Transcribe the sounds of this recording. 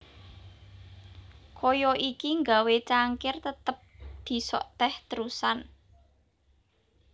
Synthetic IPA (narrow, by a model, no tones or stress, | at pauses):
kʰojɔʔikiŋɡawet͡ʃaŋkɪrt̪ət̪əp̚d̪̥i̤sɔ̰ʔt̪ɛht̪əɾusan